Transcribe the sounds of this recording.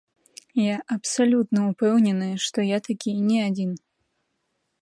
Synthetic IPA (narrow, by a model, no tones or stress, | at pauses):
jaʔɐpsalʲut̪nɐupɛwnʲɛnɨjʂt̪ɔjat̪akʲʰinʲɛad͡zʲin